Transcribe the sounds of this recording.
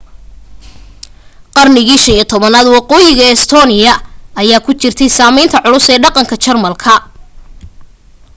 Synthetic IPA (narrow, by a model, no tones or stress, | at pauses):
qɑrnɪɣiːʃɐniːt̪ʰɔβɐnaːd̪wɑqɔːjɪɣɐɛst̪ʰɔːnɪjɐɐjaːkʰʊt͡ʃɪrt̪ʰɛjsaːmɛjnt̪ʰɐʕʊlʊsɛːɖɑqɑŋkʰɐt͡ʃɐrmɐlkʰɐ